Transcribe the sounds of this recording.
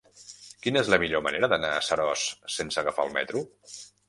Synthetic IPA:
kinəezləmiʎoməneɾəðənaəsəɾɔsːensəːɣəfa̰lˠmɛ̰t̪ɾu

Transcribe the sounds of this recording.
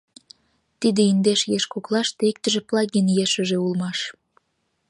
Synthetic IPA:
t̪id̪ĕind̪eʃjeʃkoklɑʃt̪ek̚t̪ə̆ʒĕplɑɣʲinjeʃə̆ʒĕulmɑʃ

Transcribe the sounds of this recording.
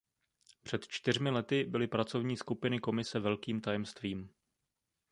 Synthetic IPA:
pr̝̥ɛt̪t͡ʃt̪ɪrmɪlɛt̪ɪbɪlɪpɾat͡so̞vɲiːskupɪnɪko̞mɪsɛvɛlkiːmt̪ajɛmst̪viːm

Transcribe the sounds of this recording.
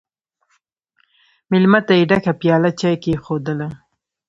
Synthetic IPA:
mɪlmat̪aiɖakapjɑlat͡ʃajkexod̪əla

